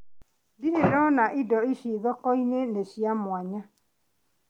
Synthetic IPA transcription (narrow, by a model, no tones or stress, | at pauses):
diɾedɔnaʔidɔiʃiðɔkɔineneʃiamwaɲa